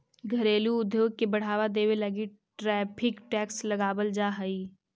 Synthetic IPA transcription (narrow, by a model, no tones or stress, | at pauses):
ɡʱɐɾeːluʊd̪ʱːjoːɡ̚kebɐɽ̤aːʋad̪eːweləɡi | ʈɾɛːpʰɪkʈɛːkslɐɡaːbəld͡ʒaːɦəi